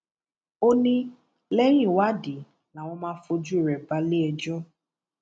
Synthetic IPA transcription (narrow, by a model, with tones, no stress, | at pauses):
o˦nĩ˦ | lɛ˦jĩ˦˨wa˦di˨ | na˨w̃ɔ̃˧mãː˦fo˧d͡ʒu˦i˨ɾɛ˨ba˦le˦ɛ˧d͡ʒɔ˦